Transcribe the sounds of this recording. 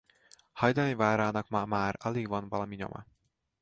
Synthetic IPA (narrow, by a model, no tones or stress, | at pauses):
hɒjd̪ɒmivaːɾaːnɒkmmaːɾɒleɡvɒnvɒlɒmiɲo̰mʔɒ̰